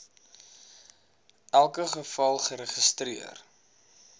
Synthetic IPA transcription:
ʔælˠkəχəfɐlˠχəɾəχəstriə̰r

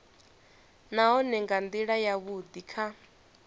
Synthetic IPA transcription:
naɦɔnɛŋɡand̪iɺajaβud̪ikʰa

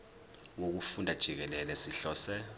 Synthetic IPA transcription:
wok̬ufundʱad̥ʒ̥ʱik̬ɛlɛlɛsiɬɔːsɛ

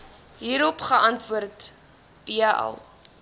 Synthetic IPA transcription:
ɦiːɾɔpχəʔɐntvuərt | b̥iaʔɛ̰lˠ

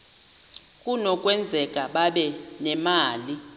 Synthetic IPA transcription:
kʼunɔkʼwɛnd͡zʱɛkʼaɓaɓɛnɛmaːli

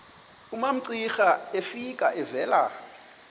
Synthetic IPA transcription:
umam̩ǀixaefikʼaʔɛvɛːla

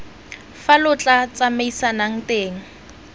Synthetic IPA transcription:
falʊt͡ɬʼat͡sʼameisanaŋ̩teːŋ̩

